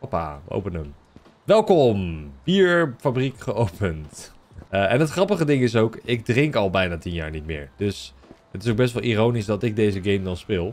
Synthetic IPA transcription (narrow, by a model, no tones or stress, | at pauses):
apa̰ːʋə̰ʔo̰wpənəm | ʋɛlˠkɔmb̥iːɹfabrikχəowpənt | ɛnətχrɑpəχədɪŋɪs̬owkɪɡ̚drɪŋkɑlˠbɛjnaːtinja̰ːɹnitmɪ̰ːɹdɵs | ətɪsowɡbɛs̬tʋɑlˠirownisdɑtɪɡ̚dejzəɡejmdɑnspɪːlˠ